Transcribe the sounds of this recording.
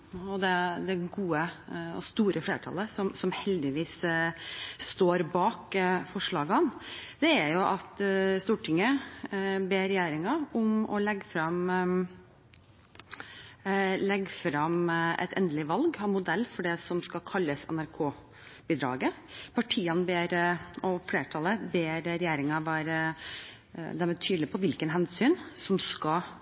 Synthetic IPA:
ɔd̪ɛd̪ɛɡuːəɔ̰st̪uːɾʔəfleːʈʰɑ̰ləsɔmsɔmhɛld̪ɪʋiːs | st̪oːɾbɑːkfɔʂɭɑːɡɑnd̪̥ɛæɾjʊʔɑt̪st̪uːʈʰɪŋːə | beːɾɛjeːɾɪŋɑʊmɔ̰lɛɡːfɾɑm | lɛɡfɾɑmʔɛ̰t̪ʰɛ̰nd̪əlɪʋɑlɡhɑmʊd̪ɛlːfɔɖɛsɔmskɑkʰɑlːəsɛ̰næɾkʰoː | bɪd̪ɾɑ̰ːɡə | pʰɑʈʰiːɑnbeːɾɔfleːʈʰɑləbeːɾɾɛjæːɾɪŋɑʋæːɾə | d̪ɛmɛt̪ʰyːd̪lɪpʰɔʋɪlkənɦɛnsyːnsɔmskɑ

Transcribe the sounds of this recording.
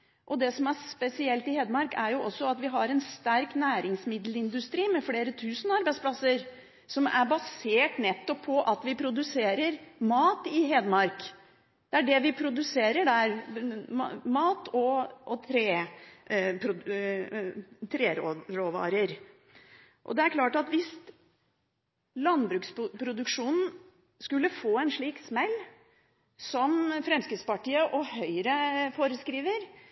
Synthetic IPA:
ʔɔd̪ɛsɔmæspɛsɪɛlt̪ɪheːd̪əmɑɾkæɾjʊʔɔsːɔɑt̪ʋɪɦɑɾɛnst̪æɾknæːɾɪŋsmɪd̪l̩ɪnd̪ʉst̪ɾiːmɛfleːɾət̪ʰʉːsənəɑɾbæɪtspʰlɑsːəɾ | sɔmæ̰ɾbɑseːʈnɛt̪ːɔpʰːɔʔɑt̪ʋɪpʰɾʊd̪ʉseːɾəɾmɑːt̪ɪɦeːd̪mɑɾk | d̪̥ɛæɖɛʋɪpʰɾʊd̪ʉseːɾəɖæɾmmɑːt̪ɔɔt̪ʰɾeː | pʰɾʊ | t̪ʰɾeːɾoɾoːʋɑ̰ːɾəɾ | ʔɔ̰d̪ɛæɾkʰlɑːʈɑt̪ʋɪst̪ | lɑnbɾʉːkspʰɾʊd̪ʉkʂuːnn̩ | skʉlːəfoːɛnʂɭiːksmɛlː | sɔmfɾɛmskəspɑʈiːəʔɔhœʏɾəfoːɾəskɾiːʋəɾ

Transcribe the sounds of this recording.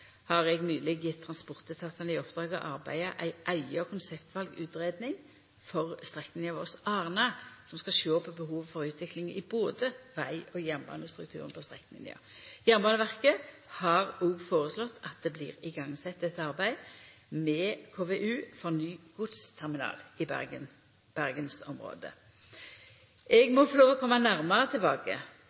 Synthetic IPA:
hɑʁɛɡnyːlɪɡjɪt̪ʰːʁɑnspʊʁt̪ət̪ʰɑt̪ɑnɪɔpd̪̥ʁɑːɡɑ̰ʔɑʁbæ̰ɪəʔæɪʔæɪɑkʰʊnsɛpt̪ʋɑlɡʉ̰ːt̪ʁeːd̪nɪŋ | fɔʁst̪ʁɛkːmɪnɪɑʋɔʁsɑːʁnɑsɔmskɑʃøːpʰːɔbəɦuːʋfɔʁʉːt̪ʰʋɪklɪŋəɪboːd̪əʋæɪʔoːjæʁnbɑ̰ːnəst̪ʁʉk̚t̪ʰʉ̰ːʁənpʰɔst̪ʁɛ̰kːnmɪ̰nɪ̰ə̰jæʁmbɑːnəʋæʁkə | hɑʁoːɡfoːʁəslɔt̪ːɑt̪̚d̪ɛblɪ̰ːʁɪɡɑŋsɛt̪ːɛt̪ɑʁbæɪdmɛːkʰoːʋɛʔʉːfɔʁnyːɡ̥ʊd̪st̪ʰæʁmɪnɑ̰ːlɪ̰ | b̥æʁɡənsɔmʁo̰ːd̪ə̰ | ʔɛɡmɔfɔɾloːʋɔkʰɔmːɑnæʁməʁət̪ʰɪlbɑːkə̰

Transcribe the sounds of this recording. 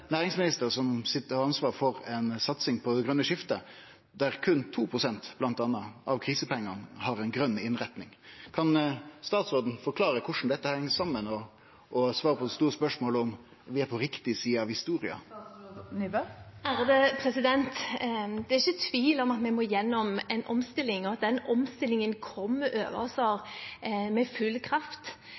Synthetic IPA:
næːɾɪŋsmɪnɪst̪əʁsɔmsɪt̪ːəɾɑɑnsʋɑːɾfɔɾɛnsɑt̪sɪŋpʰɔd̪ɛɡʁœnːəʂɪft̪ə | d̪æɾkʰʉnt̪ʰuːpʰɾʊsɛnt̪b̥lɑnt̪ɑnːəʔɑʋkʰɾiːsəpʰɛŋːɑnhɑɾɛnɡɾœnːɪnʁɛt̪nɪŋkʰɑnst̪ɑːt̪sʁoːd̪n̩fɔɾkʰlɑːɾəkʰʊʂn̩d̪ɛt̪ːəhɛŋːəsɑmːənɔː | sʋɑːɾəpʰɔst̪uːɾəspœʂmoːlɔm | ʋɪæɾpʰɔɾɪkt̪ɪsiːəɑʋhɪst̪uːɾɪɑ̰ | æɾd̪ɛpʰɾɛsɪd̪ɛnt̪d̪ɛɾɪçːət̪ʰʋiːlɔmɑt̪mɛmoːjɛnːɔmɛnʔɔmst̪ɪlːɪŋɔɑt̪̚d̪ɛnɔmst̪ɪlːɪŋənkʰɔmːəʔø̰ːʋə̰sɔɾ | mɛfʉlːkʰɾɑft̪

